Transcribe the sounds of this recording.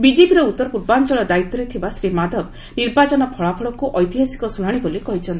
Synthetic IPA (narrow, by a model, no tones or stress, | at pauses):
bid͡ʒepiɾɔut̪ːɔɾpuɾbant͡ʃɔɭɔd̪ait̪ːɔɾet̪ʰibasɾimad̪ʱɔb | niɾbat͡ʃɔnɔpʰɔɭapʰɔɭɔkuʔɔjt̪iɦasi̥kɔsunaɽ̃ibolikɔɦit͡ʃʰɔnt̪i̥